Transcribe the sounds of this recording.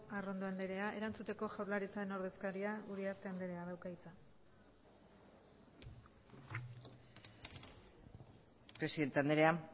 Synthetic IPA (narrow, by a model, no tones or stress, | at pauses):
aro̞nd̪o̞and̪eɾe̞aʔe̞ɾant͡sut̪e̞ko̞ʝawɾlaɾit͡sae̞no̞ɾðe̞skaɾiauɾiaɾt̪e̞and̪e̞ɾe̞aðawkajt͡sa | pɾe̞siðe̞nt̪eand̪eɾea